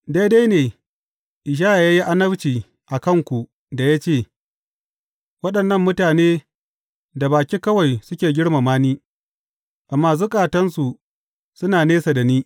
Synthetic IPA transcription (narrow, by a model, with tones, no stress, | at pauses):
da˦jda˦jneː˨ | ʔɪ˨ʃ̬aː˦ʔa˨ja˦ji˦ʔa˦nɐ˦bt͡ʃiː˨ | ʔa˨kɐ˦˨ŋkʷu˨ | da˨ja˦t͡ʃeː˦˨ | wɐ˦ɗɐ˨nːɐ˦˨mːʊ˦taː˨neː˦ | da˨baː˨kʲi˦kɐ˦wa˨jsʊ˦kʲeː˨ɡʲɪ˦ɽma˨maː˦niː˦ | ʔa˨mːaː˨s̬uː˦kʼaː˨tɐ˦nsu˨ | sʊ˦naː˨neː˦sa˨da˨niː˦